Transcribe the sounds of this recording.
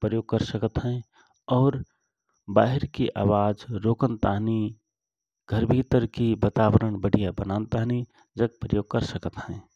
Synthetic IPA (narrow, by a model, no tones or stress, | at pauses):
pɾəjoːɡ̚kəɾsəkət̪ɦɛ̃ | ɔːɾ | baːɦɪɾkiʔa̰wad͡ʒɾoːkənt̪aɦni | ɡʱəɾbʱit̪əɾkibat̪abəɾəɳbəɽ̤ijabənant̪aɦni | d͡ʒəɡ̚pɾəjoːɡ̚kəɾsəkət̪hɛ̃